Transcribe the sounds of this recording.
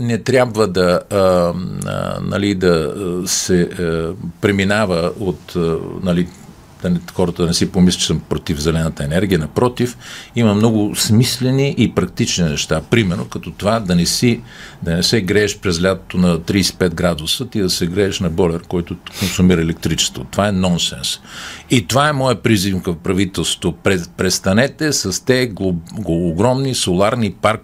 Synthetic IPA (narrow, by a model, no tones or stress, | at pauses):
nɛt̪ɾʲabvəd̪ɐ | nɐ̰lid̪ɐsɛ | pɾɛminavəot̪ənɐli | d̪̥ɐnɛxɔɾət̪əd̪ɐnɛsipomislʲi̥t͡ʃɛsəmpɾot̪ivzɛlɛnət̪əɛnɛɾɡʲiənɐpɾɔt̪ifimɐmnɔɡʊsmislɛniʔipɾɐk̚t̪it͡ʃninɛʃt̪apɾimɛɾnokɐt̪ɔt̪ovad̪ɐnɛsid̪ɐnɛsɛɡɾɛːʃpɾɛzlʲat̪ot̪onɐt̪ɾiːsɛ̥pɛd̪̚ɡɾad̪ʊsət̪id̪ɐsɛɡɾɛːʃnɐbɔlʲɛɾkɔjt̪ʊkonsʊmiɾəɛlɛk̚t̪ɾit͡ʃɛ̥st̪vo̰t̪ovaɛnɔnsɛ̰nsit̪ovaɛmɔjɛpɾizimkəpɾɐvit̪ɛlˠst̪vopɾɛpɾɛst̪ɐnɛt̪ɛsɐst̪ɛɡɡoɡɾɔmnisolˠaɾnipaɾk